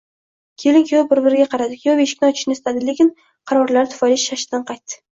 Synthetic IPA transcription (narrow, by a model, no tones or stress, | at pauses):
kʲʰelɪŋkʲʰjobɪɾbɪɾɪɡʲaqʰɑɾad̪ɪkʲʰjoveʃɪ̥kʲnt͡ʃʰʊ̥ʃnɪst̪ʰad̪ɪlekʲɪn | qʰɑɾɒɾlaɾt̪ʰʊ̥fɒjlɪʃːaʃɪ̥d̪anqʰɑjt̪ːɪ̥